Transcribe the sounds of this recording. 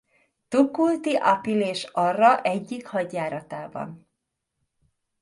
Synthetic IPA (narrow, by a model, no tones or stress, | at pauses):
t̪ukːult̪iʔɒpileːʃɒrːɒʔɛɟːikhɒɟjaːɾɒt̪aːbɒ̰n